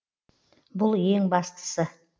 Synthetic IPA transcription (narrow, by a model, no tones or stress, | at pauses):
bʊlˠje̞ŋbɑst̪ə̥sə